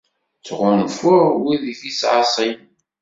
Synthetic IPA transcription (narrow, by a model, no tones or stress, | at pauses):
t͡sʁʊnfʊɾwiðiθisʕɑ̰sˤin